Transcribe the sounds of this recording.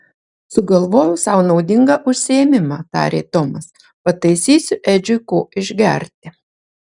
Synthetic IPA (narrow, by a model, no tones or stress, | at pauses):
sʊɡɐlˠʋoːjʊsɑˑʊnɒʊd̪ʲɪŋɡɐʔʊʃʲsʲɪemʲɪmɑːt̪ɑ̰ːɾʲḛːt̪ɔmɐs | pɐt̪ɐɪsʲiːsʲʊʔɛd͡ʒʲʊkoːɪʒʲɡʲɛ̰ɾʲt̪ʲɪ